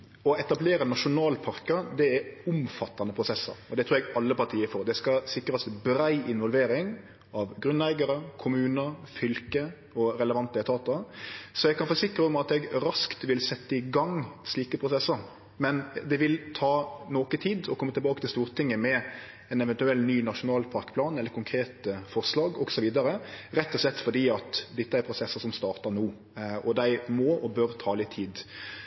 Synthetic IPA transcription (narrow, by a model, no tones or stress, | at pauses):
ɔɛt̪ɑbleːɾənɑʂʊnɑːlpʰɑɾkəd̪ɛɛʊmfɑt̪ːɑnəpʰɾʊsɛsə̰ɾɔd̪ɛt̪ɾːɾɛɡɑlːəpɑt̪ʰiːəɾfɔɾd̪ɛskɑsɪkːɾəsbɾæɪʔɪnʋɔlʋeːɾɪŋ | ɑʋɡɾʉnːæɪɡɑɾəkʰʊmʉːnəfʏlkə | ɔɾɛləʋɑnt̪əɛt̪ʰɑːt̪əsɔjɛɡ̚kʰɑnfoːsɪkɾəɔmɑt̪ɛɡɾɑskt̪ʋɪlsɛt̪ːəɪɡɑŋsliːkəpʰɾʊsɛsːəɾ | mɛnd̪ɛʋɪlt̪ʰɑːnoːkət̪ʰiːd̪ɔkʰɔmːət̪ɪlbɑːkət̪ʰɪlst̪uːɾt̪ʰɪŋːəmɛ | ɛnɛʋɛnt̪ʉɛlːnyːnɑʂʊnɑːlpʰɑɾkpʰlɑːnɛlːəɾkʰʊŋkʰɾeːt̪əfɔʁslɑːɡɔɡsɔʋiːd̪ɑɾəɾɛt̪ːɔslɛt̪ːfɔd̪iːɑt̪d̪ɛt̪ːəæɾpʰɾʊsɛsːəsɔmst̪ɑːɾt̪ənuː | ɔd̪æɪmɔɔbøɾt̪ʰɑːlɪt̪ʰːiːd̪